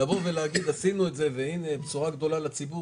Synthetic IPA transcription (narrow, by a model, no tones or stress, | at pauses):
avoʁveleaɡid̪asinuetze̞veinebet͡suʁaɡd̪o̞lalat͡sibu